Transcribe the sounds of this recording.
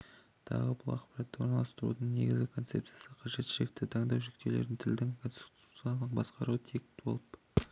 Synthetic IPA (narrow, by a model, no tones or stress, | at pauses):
t̪ʰɑ̰ʁəbʊlˠɑqpɑɾɑt̪ːɑwo̞ɾnɑlˠɑst̪əɾṵd̪əɴne̞̰ɡʲɪzɡʲɪkʰo̞nt̪se̞p̚t̪sɨjasəqʰɑʒe̞t̪ʃɪʒek̚t̪ːɪt̪ʰɑɴd̪ɑwʒɪk̚t̪eleɾd̪ɪnt̪ʰɪld̪ɪŋkʰonst̪t̪ut̪sjalˠəq̚bɑsqɑɾuwət̪ʰe̞k̪̚bo̞̰lˠəp